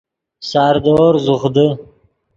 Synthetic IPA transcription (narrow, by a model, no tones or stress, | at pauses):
sɑːɾd̪oɾzuχd̪ə